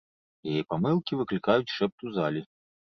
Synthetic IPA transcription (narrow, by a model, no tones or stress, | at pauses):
jajɛpamɨlˠkʲivɨklʲikajut͡sʲʂɛp̚t̪uzalʲi